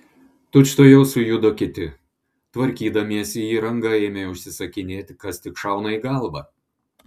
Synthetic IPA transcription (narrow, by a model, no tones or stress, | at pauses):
t̪ʊt͡ʃʲt̪oːjɛʊsʊjʊd̪oːkʲɪt̪ʲɪ | t̪ʋɐɾʲkʲiːd̪ɐmʲiɛsiiːɾɐŋɡɐeːmʲeʊʃʲsʲɪsɐkʲɪnʲeːt̪ʲkɐst̪ʲɪkʃɐˑʊnɐiːɡɐlˠbɐ̰